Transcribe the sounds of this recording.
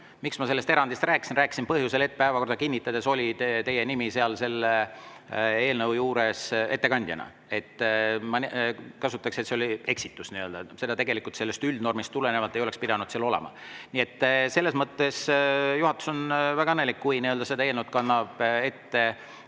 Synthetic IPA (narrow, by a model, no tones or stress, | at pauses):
miksmɑse̞lːe̞st̪e̞ɾɑnd̪ist̪rʔæːksinræːksinpɤɦjuse̞le̞t̪̚ːpæevɑko̞rd̪ɑkinʲːit̪ːˑɑd̪̥e̞so̞lʲit̪e̞jenimise̞ɑlse̞lːe | e̞ːlnɤwjuːɾe̞se̞t̪ːekɑnʲd̪jɑ̰nɑ̰ | e̞t̪ːmɑkɑsut̪ːˑɑkset̪seolie̞ksit̪ːˑusniøld̪̥ɑse̞d̪ɑt̪e̞ɡe̞likˑult̪selːe̞st̪yld̪no̞rmist̪ːulene̞vɑt̪ːˑe̞jo̞le̞kspid̪ɑnud̪̥seɑlo̞lḛmɑ̰ | niet̪ːse̞lːesmɤt̪ːe̞sjuɦɑt̪ːˑu̥so̞nvæɡ̥ɑnelikkːujniøld̪̥ɑseɑelnəwt̪̚kɑnːɑb̥et̪ːe̞